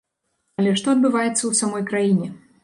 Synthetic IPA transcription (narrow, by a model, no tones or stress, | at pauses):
ɐlʲɛʂt̪ɔɐd̪̚bɨvajɛt̪sːɐwsamɔjkɾajinʲɛ